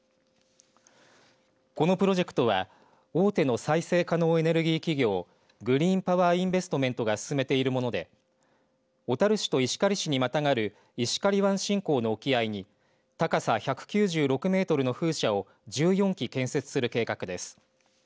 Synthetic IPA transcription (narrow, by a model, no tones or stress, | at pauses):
ko̞no̞pɯ̟ɾo̞ʑe̞kɯ̥t̪o̞βa̰ | o̞ːt̪e̞no̞saise̞ːkano̞ːe̞ne̞ɾɯ̟ɡʲiːkʲiɡʲo̞ː | ɡɯ̟ɾʲiːmpaβaːĩmbe̞sɨ̥t̪o̞mẽ̞nt̪o̞ɡasɨ̥sɨme̞t̪e̞iɾɯ̟mo̞no̞d̪e̞̰ | o̞t̪aɾɯ̟ɕi̥t̪oiɕi̥kaɾʲiɕiɲ̟imat̪aŋaɾɯ̟ | iɕi̥kaɾʲiβãɰ̃ɕĩŋko̞ːno̞ːkʲiaiɲ̟i | t̪akasaçakɯ̟̥kʲɨːʑɨːɾo̞kɯ̟me̞ːt̪o̞ɾɯ̟no̞ɸɯ̟ːɕao̞ | d͡ʑɨːjõ̞ŋkʲikẽ̞ɰ̃se̞t͡sɨ̥sɨɾɯ̟ke̞ːkakɯ̟d̪e̞sɨ̥